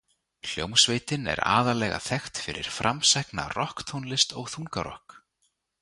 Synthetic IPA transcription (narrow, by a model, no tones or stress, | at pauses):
l̥jowmsveːjt̪ɪnɛ̰ɾa̰ːðalɛːɣa̰θɛxt̪fɪɾɪɾ̥fɾʔamsɛhkna̰rɔhkt̪ʰownlɪst̪ɔɣθuŋkaɾɔ̰hk